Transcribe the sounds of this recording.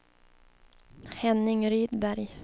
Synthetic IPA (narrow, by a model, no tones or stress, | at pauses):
hɛnːɪŋɾyːd̪bæɾj